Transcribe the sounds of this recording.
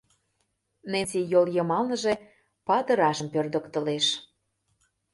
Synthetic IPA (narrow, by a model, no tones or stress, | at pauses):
nent͡sijoljəmɑlnə̆ʒe | pɑt̪ə̆ɾɑʃə̆mpørd̪ə̆kt̪ə̆leʃ